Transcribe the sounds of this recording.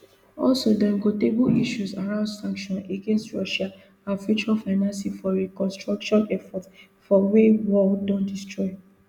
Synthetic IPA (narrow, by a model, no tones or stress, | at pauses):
ɔlsodãɡoteboiʃusaɹãʊ̃ndsãŋkʃɔ̃neɡẽnstɹɔʃa | ãnfut͡ʃuafaɪnãnsifɔɹekɔ̃nstɹakʃɔ̃nɛfɔt | fɔwewɔldɔ̃ndistɹɔɪ